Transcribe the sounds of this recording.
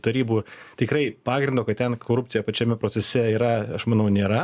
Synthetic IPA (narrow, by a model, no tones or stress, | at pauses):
t̪ɐɾʲiːbuːt̪ʲɪkɾɐɪpɑːɡɾʲɪnd̪oːkɐt̪̚t̪ʲɛnkʰoːɾʊp̚ʲt̪t͡s̪ʲɪjɛpɐt͡ʃʲɛmʲɛpɾoːt͡ssʲɛsʲɛiːɾɐɐʃmɐnɐʊnʲeːɾɐ